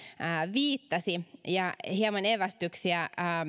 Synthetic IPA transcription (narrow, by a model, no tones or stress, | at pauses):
əːʋiːt̪ːɑsijɑhiɑmɑneʋæst̪yksiæː